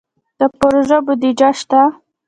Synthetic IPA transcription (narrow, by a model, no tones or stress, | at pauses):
d̪̥əpoɾoʒabʊd̪id͡ʒaʃt̪a